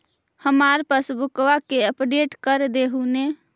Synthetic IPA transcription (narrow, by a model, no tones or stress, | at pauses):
həmaːɾpəsbʊkʋakeəpɖeːʈkəɾd̪eɦune